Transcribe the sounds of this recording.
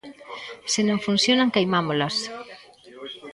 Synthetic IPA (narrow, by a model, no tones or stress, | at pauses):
sɪnõŋfun̟θjonaŋkejmamolas